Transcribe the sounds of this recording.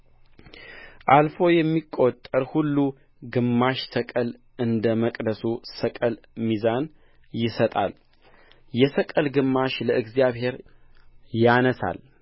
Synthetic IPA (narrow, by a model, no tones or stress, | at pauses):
ʔalfo̞jɛmːikʼːot̪ʼːəɾhulːu | ɡɨmːaʃt̪ʰəkʼəl | ɨnd̪əməkʼd̪əsusəkʼəl | mizan | jɪsət̪ʼa̰l | jɛsəkʼəlɡɨmːaʃləʔɨɡzijaβhe̞ɾ | janəsa̰l